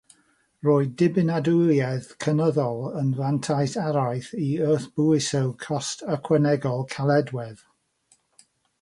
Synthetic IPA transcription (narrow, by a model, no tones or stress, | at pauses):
roːɨdɪbɪnadʊlˠjɛðkʰənəðɔlˠənvantʰajθaɾajθiəθb̥ʊɪsɛwkʰɔstəkʰwɛnɛɡɔlˠkʰalˠɛdwɛð̥